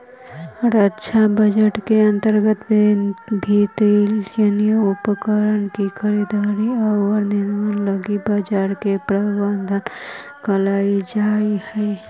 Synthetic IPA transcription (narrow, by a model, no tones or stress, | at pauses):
ɾətːʃʰabəd͡ʒəʈkeənt̪əɾɡət̪ | bʱit̪ilenijupəkəɾəɳkikʰəɾid̪aɾiəwəɾninmələɡibəd͡ʒaɾkepɾəband̪ʱən | kəlaid͡ʒaihə